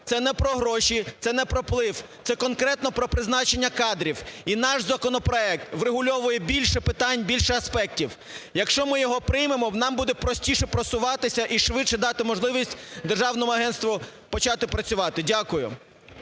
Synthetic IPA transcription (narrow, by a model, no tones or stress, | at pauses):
t̪sɛnɛpɾɔɦɾɔʃʲit̪sɛnɛpɾɔplˠɪwt̪sɛkɔnkɾɛt̪nɔpɾɔpɾɪznɑt͡ʃenʲːɐkɑd̪ɾʲiwinɑʃzɐkɔnɔpɾɔɛk̚t̪ʋreɦʊlʲɔʋʊjɛbʲilʲʃɛpɪt̪ɑnʲbʲilʲʃɛɐspɛk̚tʲiw | jɐkʃt͡ʃɔmɪjɔɦɔpɾɪjmemɔnɑmbud̪ɛpɾɔsʲtʲiʃɛpɾɔsʊʋɑt̪ɪsʲɐʔiʃʋɪʃɛd̪ɑt̪ɪmɔʒlˠɪʋʲisʲtʲd̪erʒɑwnɔmʊɐɦɛnst̪ʋʊpɔt͡ʃɑt̪ɪpɾɐt͡sʲʊʋɑt̪ɪdʲakʊjʊ̰